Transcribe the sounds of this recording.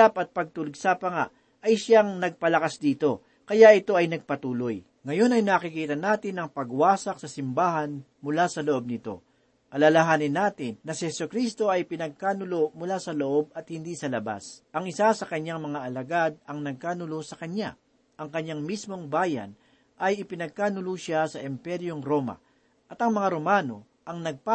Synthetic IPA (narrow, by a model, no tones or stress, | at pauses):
apɐt̪̚pɐɡ̚t̪ʊlʊɡsɐpɐŋaʔ | ʔɐjʃaŋnɐɡ̚pɐlɐkasd̪iːt̪o̞ | kɐjaʔɪt̪o̞ʔɐjnɐɡ̚pɐt̪uːlo̞j | ŋɐjo̞nɐjnaːkɪkiːt̪ɐnaːt̪ɪnɐŋpɐɡwaːsɐk̚sɐsɪmbaːɦɐn | mʊlasɐloʔo̞b̚nɪt̪o̞̰ | kɐlɐlɐɦaːnɪnːaːt̪ɪnːɐsɪhɛsʊkɾist̪o̞ʔɐjpɪnɐɡ̚kaːnʊlo̞mʊlaːsɐloʔo̞b̚ɐt̪̚hɪnd̪isɐlɐba̰sʔɐŋʔɪsasɐkɐɲːaŋmɐŋaʔɐlɐɡad̪̚ɐŋnɐɡ̚kaːnʊlosɐkɐɲːa | ʔɐŋkɐɲːaŋmismo̞ŋbaːjɐ̰n | ʔɐjɪpɪnɐɡ̚kaːnʊluʃasɐʔɪmpɛɾjoŋɾo̞mɐ̰ | ʔɐt̪ɐŋmɐŋaɾo̞maːno̞ | ʔɐŋnɐɡ̚pa